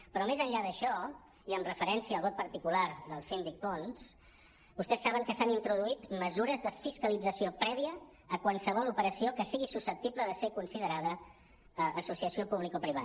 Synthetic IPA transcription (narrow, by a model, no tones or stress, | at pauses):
pɾɔmezəɲʎaðəʃɔ | iəmrəfəɾɛnsiəːlˠβɔt̪̚pəɾt̪ikulaɾðəlˠsind̪ik̚pons | bust̪ɛsːaβəŋkəsanint̪ɾuðuit̪məzuɾəzðəfiskəlid͡zəsiopɾɛβiəː | kwalˠsəβ̞ɔlupəɾəsiokəsiɣisusəp̚t̪ibləðəsekunsiðəɾaðəː | susiəsiopuβ̞likopɾiβ̞a